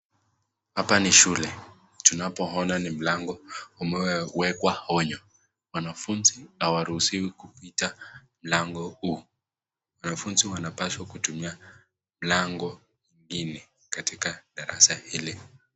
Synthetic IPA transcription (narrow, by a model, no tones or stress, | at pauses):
hapaniʃulɛ | tunapɔɦɔnanim̩laŋɡɔumɛwɛwɛkwahɔɲɔ | wanafunziawaɾuhusiwikupitam̩laŋɡɔhu | wanafunziwanapaswakutumia | m̩laŋɡɔ | ɲiŋɡinɛ | katikaɗaɾasahili